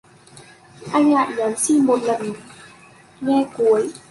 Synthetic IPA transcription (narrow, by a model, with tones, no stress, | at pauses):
ʔa˧ɲaː˨˩t̪̚ɲa˨˦nsi˧˥˩mo˨˧˩t̪̚la˨˧˩n˨˩ | ŋɛː˧˩ku˨˦ə˦j